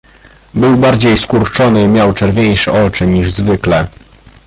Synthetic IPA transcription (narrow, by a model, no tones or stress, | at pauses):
bɘwbaɾd͡ʑejskuɾt͡ʂɔnɘimʲjawt͡ʂɛɾvʲejʂɛʔɔt͡ʂɘɲiʐzvɘklɛ